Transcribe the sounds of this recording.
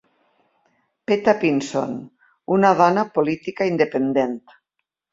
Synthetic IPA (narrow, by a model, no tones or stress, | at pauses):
pet̪apinso̰n | unaðɔnapolit̪ikaind̪epend̪ent̪